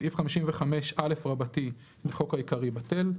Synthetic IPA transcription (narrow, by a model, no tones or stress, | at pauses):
ifχamiʃimveχame̞ʃʔale̞fʁabati | leχo̞kaikaʁibate̞l